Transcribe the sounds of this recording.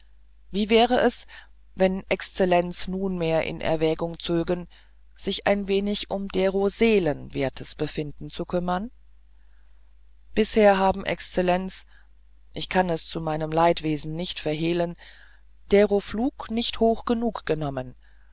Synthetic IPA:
viːvɛːʁəʔɛs | vɛnʔɛkst͡sɛlɛnt͡snuːnmeːɐʔɪ̰nʔɛ̰ɐvɛːɡʊŋt͡søːɡən | z̥ɪçʔaɪnveːnɪçʔʊmd̥eʁozeːlənveːɐtʰəsb̥əfɪndn̩t͡sukʰʏmɐn | b̥ɪsheːɐɦaːbm̩ʔɛ̰kst͡sɛlɛnt͡s | ʔɪçkʰanɛst͡sumaɪnəmlaɪtv̥eːzn̩nɪçtfɛɐɦeːlən | d̥eʁofluːknɪçthoːxɡ̥ənuːkɡ̥ənɔmən

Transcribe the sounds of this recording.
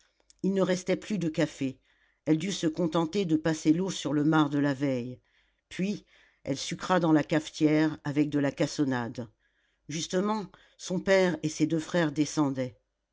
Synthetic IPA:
ilnəʁɛst̪ɛplyd̪əkafe | ɛld̪ysəkɔ̃t̪ɑ̃t̪ed̪əpaselosyʁləmaʁd̪əlavɛj | pɥi | ɛ̰lsykχad̪ɑ̃lakaft̪jɛʁavɛk̚d̪əlakasɔnad̪ | ʒyst̪əmɑ̃ | sɔ̃pɛʁesed̪øfχɛʁd̪esɑ̃d̪ɛ

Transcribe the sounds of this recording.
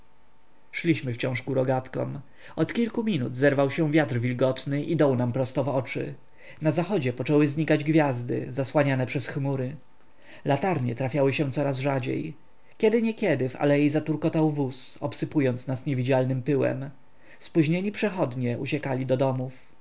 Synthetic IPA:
ʂlʲiɕmɘft͡ɕɔ̃ʂɡuɾɔɡat̪kɔ̰m | ɔt̪kʲilkumʲinṵd̪zɛɾvawɕɛvʲjat̪ɾvʲilɡɔt̪nɘʔid̪ɔwnampɾɔst̪ɔvɔt͡ʂɘ̰ | nazaxɔd͡ʑɛpɔt͡ʂɛwɘzɲikad͡ʑɡvʲjazd̪ɘ̰zaswaɲanɛpʂɛsxmuɾɘ | lat̪aɾɲɛ̰t̪ɾafʲjawɘɕɛ̃t̪sɔɾazʐad͡ʑḛj | kʲɛd̪ɘɲɛkʲjɛd̪ɘfa̰lɛjijzat̪uɾkɔt̪awvusɔpsɘpujɔnt̪snasɲevʲid͡ʑalnɘmpɘwɛ̰m | spuʑɲeɲipʂɛxɔd̪ɲɛʔṵt͡ɕɛkalʲid̪ɔd̪ɔmuf

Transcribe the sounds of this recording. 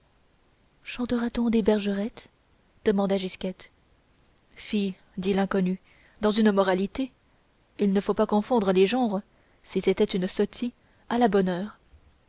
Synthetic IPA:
ʃɑ̃t̪əʁat̪ɔ̃d̪ebɛʁʒəʁɛt̪ | d̪̥əmɑ̃d̪aʒiskʲɛt̪ | fij | d̪ilɛ̃kɔny | d̪ɑ̃zynmɔʁalit̪e | ilnəfopakɔ̃fɔ̃d̪ʁəleʒɑ̃ʁ | sisɛt̪ɛt̪ynsɔt̪ʰi | alabɔnœːʁ

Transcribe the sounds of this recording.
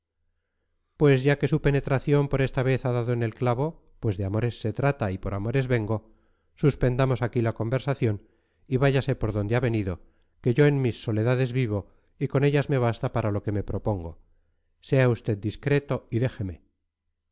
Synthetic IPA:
pwe̞zʝake̞supe̞ne̞t̪ɾaθjo̞mpo̞ɾe̞st̪aβe̞θaðaðoene̞lklaβo̞ | pwe̞zðeamo̞ɾe̞sːe̞t̪ɾat̪aipo̞ɾamo̞ɾe̞zβe̞ŋɡo̞ | suspe̞nd̪amo̞sakilako̞mbe̞ɾsaθjo̞n | iβaʝase̞po̞ɾðo̞nd̪eaβe̞niðo̞ | ke̞ʝo̞enmisːo̞le̞ðaðe̞zβiβ̞o̞ | iko̞ne̞ʎazme̞β̞ast̪apaɾalo̞ke̞me̞pɾo̞po̞ŋɡo̞̰ | se̞aust̪e̞d̪̚d̪iskɾe̞t̪o̞iðe̞xe̞me̞

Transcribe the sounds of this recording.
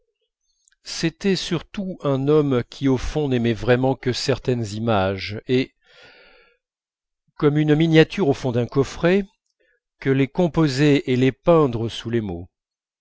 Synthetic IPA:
set̪ɛsyʁt̪uɛ̃nɔmkʲʰiofɔ̃nɛmɛvʁɛmɑ̃kəsɛʁt̪ɛnzimaʒe | kɔmynminjat̪yʁofɔ̃d̪ɛ̃kɔfχɛ | kəlekɔ̃pozeelepɛ̃d̪ʁəsulemo

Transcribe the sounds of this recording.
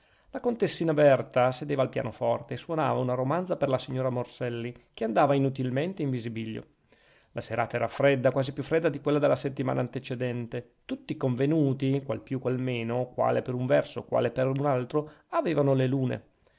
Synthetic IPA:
lakont̪esːiːnabɛrt̪ased̪eːvaːlpja̰ːnofɔrt̪eːsːwona̰ːvaunaɾomant̪zaperlasiɲːoːɾamorsɛlːikeand̪aːvainut̪ilment̪eiɱvizibiʎːo̰ | laseɾa̰ːt̪aɛːɾafɾɛd̪ːakwaːzipjufːɾɛd̪ːad̪ikwelːad̪elːaset̪ːima̰ːnʔaːnt̪et͡ʃed̪ɛnt̪e | t̪ut̪ːikoɱvenuːt̪ikwa̰lpjukːwalmeːnokwa̰ːlepeɾuɱvɛrso̰kwa̰ːlepeɾunalt̪ɾoaveːvanoleluːnḛ

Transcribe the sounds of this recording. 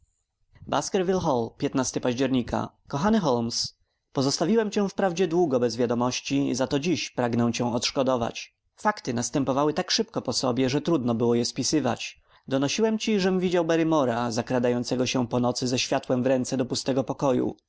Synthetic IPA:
baskɛɾvʲilxɔlpʲjɛt̪nast̪ɘpaʑd͡ʑɛɾɲika̰ | kɔxanɘxɔlms | pɔzɔst̪avʲiwɛmt͡ɕɛ̃fpɾavd͡ʑɛd̪wuɡɔbɛzvʲjad̪ɔmɔɕt͡ɕizat̪ɔd͡ʑiɕpɾaɡnɛw̃t͡ɕɛ̃w̃ɔt̪ʂkɔd̪ɔva̰t͡ɕ | fakt̪ɘnast̪ɛmpɔvawɘt̪akʂɘpkɔpɔsɔbʲjɛʐɛt̪ɾud̪nɔbɘwɔjɛspʲisɘva̰t͡ɕ | d̪ɔnɔɕiwɛmt͡ɕiʐɛmvʲid͡ʑawbɛɾɘmɔɾazakɾad̪ajɔnt̪sɛɡɔɕɛpɔnɔt̪sɘzɛɕfʲjat̪wɛmvɾɛnt̪sɛd̪ɔpust̪ɛɡɔpɔkɔjṵ

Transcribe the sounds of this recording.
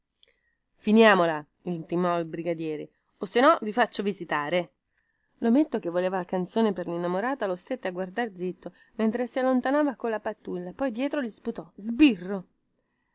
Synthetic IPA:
finjaːmola | ilnt̪imɔilbɾiɡad̪jɛːɾe | osːenɔvifat͡ʃːovizit̪aːɾe | lomet̪ːok̟evːoleːvalakant̪soːneperlinːamoɾaːt̪alost̪et̪ːeaɡward̪ard̪zit̪ːo | ment̪ɾesialːont̪anaːvakolːapat̪ːulːapɔjd̪jɛːt̪ɾolisput̪ɔzbirːo

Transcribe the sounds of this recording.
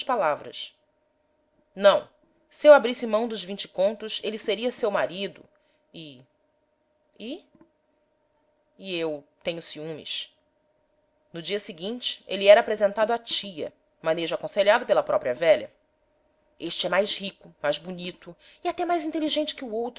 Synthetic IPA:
ʃpalavɾɐ̰s | nɐ̃w̃ | sewabɾisɪmɐ̃w̃d̪ʊzvĩnt͡ʃɪ̥kõnt̪ʊselɪseɾiɐsewmaɾid̪ʊ̰ | i | i | iewt̪ẽɲʊsiũmḭʃ | nʊd͡ʒiɐsiɡĩnt͡ʃɪ̥eliɛɾɐaːpɾezẽnt̪ad̪ʊat͡ʃijɐ̰ | mɐ̃neʒʊakõseʎad̪ʊpelɐpɾɔpɾiɐvɛʎɐ̰ | eʃt͡ʃɪɛmajzhikʊmajzbunit̪ʊ | iat̪ɛmajzĩnt̪eliʒẽnt͡ʃɪ̥kɪuowt̪

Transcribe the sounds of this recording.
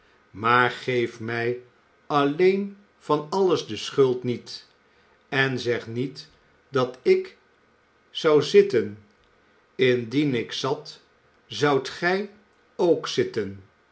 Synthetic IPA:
maːɹχejfmɛj | ɑlejn | v̥ɑnɑləzdəsχɵlˠtnit | ɛnzɛχnit | dɑtɪk | sʌwzɪtən | ɪndinɪksɑt | zʌwtχɛj | owksɪtən

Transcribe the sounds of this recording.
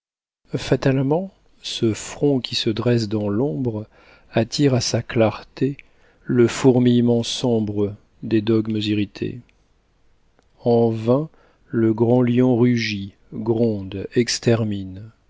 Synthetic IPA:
fat̪almɑ̃ | səfχɔ̃kʲisəd̪ʁɛs̬d̪ɑ̃lɔ̃bʁ | at̪ʰiʁasaklaʁt̪e | ləfuʁmijmɑ̃sɔ̃bʁə | d̪ed̪ɔɡməziʁit̪ʰḛ | ɑ̃vɛ̃ | ləɡʁɑ̃ljɔ̃ʁyʒi | ɡʁɔ̃d̪ɛkst̪ɛʁmin

